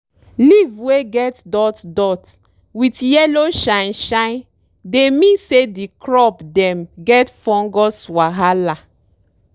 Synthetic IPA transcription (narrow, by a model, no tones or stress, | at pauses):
livweɡɛtdɔtdɔt | witjɛloʃãjnʃãj̃n | demĩnsedikɾɔpdɛ̃mɡɛtfɔ̃ŋɡɔswaɦala